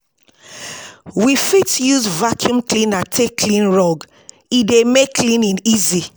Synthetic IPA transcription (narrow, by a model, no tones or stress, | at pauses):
wifitjuzvakʰjũmklĩnatʰekʰlĩnɹɔɡ | idemekʰlĩnĩnizi